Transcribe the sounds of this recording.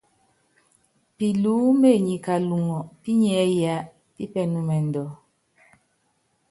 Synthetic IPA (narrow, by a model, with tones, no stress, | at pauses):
pi˨luː˨˦me˦˨ɲi˨ka˨lu˨ŋɔ˨pi˦ɲɛ˨˦ja˦ʔ | pi˦pɛ˨nu˨mɛ˨n̩˨dɔ˨